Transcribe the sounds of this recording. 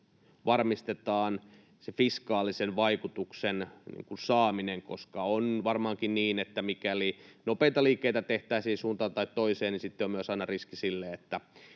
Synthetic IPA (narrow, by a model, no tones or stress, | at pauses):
ʋɑrmist̪et̪ɑːn | sefiskɑːlisenʋɑikut̪uksennḭːŋkunsɑːmineŋkoskɑonʋɑrmɑːŋkinniːnet̪ːæmikælinopeit̪ɑliːkːeit̪æt̪eht̪æːsihːsunt̪ɑːt̪ɑit̪toiseːnnisit̪ːeomyøsɑinɑriskisilːeet̪ːæ